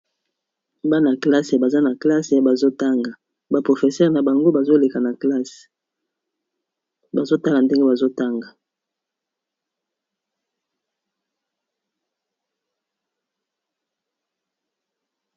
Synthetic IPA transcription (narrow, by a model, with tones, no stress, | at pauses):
ba˦na˨kla˦sa˨ba˨za˦na˨kla˦sa˨ba˨zo˦ta˦ŋɡa˨ | ba˨pʁo˨fe˨sɛ˦ʁna˨ba˨ŋɡo˦ba˨zo˦le˨ka˨na˨kla˦s | ba˨zo˦ta˦la˨nde˦ŋɡe˦ba˨zo˦ta˦ŋɡa˨